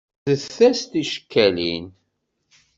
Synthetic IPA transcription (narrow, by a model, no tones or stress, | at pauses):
θəθːæst̪iʃə̥kːælḭn